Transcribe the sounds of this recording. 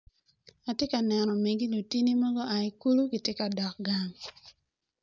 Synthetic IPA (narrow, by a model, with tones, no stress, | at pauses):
a˨tje˦ka˨nɛ˨nɔ˨me˨ɡi˦lu˨ti˦ni˦mɔ˦ɡɔ˦a˨i˦ku˦lu˦ki˨te˦ka˨dɔ˨k̚ɡa˦ŋ